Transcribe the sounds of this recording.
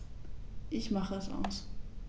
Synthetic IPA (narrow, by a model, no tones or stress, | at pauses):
ʔɪçmaχəɛsa̰ʊs